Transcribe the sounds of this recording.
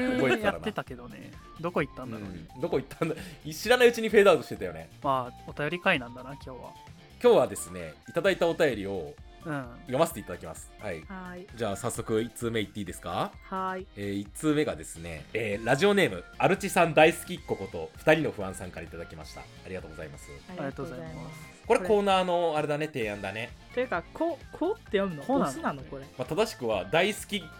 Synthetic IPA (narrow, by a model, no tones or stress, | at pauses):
oaɾanaet̪ake̞d̪o̞nḛ | d̪oko̞it̪ːãnd̪ãoid̪o̞ko̞it̪ːãnd̪aiɕiɾanaɯ̟t͡ɕiɲ̟iɸe̞ːd̪aɯt̪o̞ɕi̥t̪et̪ajo̞ne̞ | aot̪ajo̞ɾʲikainãnd̪anakʲo̞ːβa̰ | kʲo̞ːβad̪e̞sɨne̞it̪ad̪ait̪ao̞t̪ajo̞ɾʲio̞ | ɯ̟̃ɴjo̞maset̪e̞it̪ad̪akʲimasɨ̥haihaid͡ʑaːsasːo̞kɯ̟it͡sɨːme̞it̪ːeiːd̪esɨ̥kahaieːit͡sɨːme̞ɡad̪e̞sɨne̞̰eːɾaʑio̞ne̞ːmɯ̟aɾɯ̟t͡ɕisãnd̪aisɨ̥kʲikːo̞ko̞t̪o̞ɸɯ̟̥aɾʲino̞ɸɯ̟βãsãŋkaɾait̪ad̪akʲimaɕi̥t̪a̰ːɾʲiɡat̪oːɡo̞za̰imasɨoa | ko̞ɾeko̞ːnaːno̞aɾe̞d̪ane̞t̪e̞ːãnd̪ane̞t̪okakʰokʰoːt̪ːejonanokoɾemat̪ad̪aɕi̥kɯ̟βad̪aisɨ̥kʲi